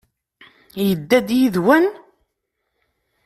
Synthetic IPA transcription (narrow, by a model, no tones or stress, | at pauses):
jəd̪ːæd̪jiðwæn